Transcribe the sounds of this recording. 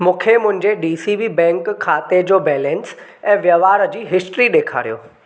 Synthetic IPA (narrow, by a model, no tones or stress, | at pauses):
mũːkʰemʊ̃ɦɪ̃ɲd͡ʑeɖiːsibibɛ̃ːŋkʰːaːt̪ed͡ʑoːbɛːlɛ̃ːns | ɛ̃ːʋjɐʋaːɾəd͡ʑiːɦɪsʈɾiɗeːkʰa̰ːɾijo̰ː